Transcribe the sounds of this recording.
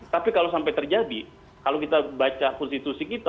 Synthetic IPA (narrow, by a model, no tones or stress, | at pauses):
t̪apikalosampajt̪ərd͡ʒadi | kalokit̪abat͡ʃakɔnst̪it̪usikit̪a